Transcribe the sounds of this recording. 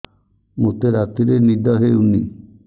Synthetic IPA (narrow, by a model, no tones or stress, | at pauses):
mot̪eɾat̪iɾenid̪ɔɦeuni